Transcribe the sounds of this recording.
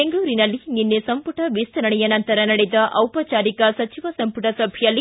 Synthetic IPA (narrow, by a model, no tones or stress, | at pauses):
eŋɡuʋɾinɐlːininːesɐmpuʈɐʋist̪ɐɾɐɽɛjɐnɐnt̪ɐɾɐnɐɽed̪ɐʔʔɐwpɐt͡ʃaːɾikɐsɐt͡ʃiʋɐsɐmpuʈɐsɐbʱijɐlːi